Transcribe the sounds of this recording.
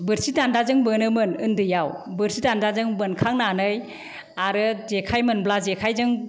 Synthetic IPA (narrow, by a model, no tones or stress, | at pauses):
bɯɾsitandazɯŋbɯnɯmɯnɯndɯjawbɯɾsitandazɯŋbɯnkʰaŋnanɯj | aɾɯzekʰajmɯnblazekʰajzɯŋ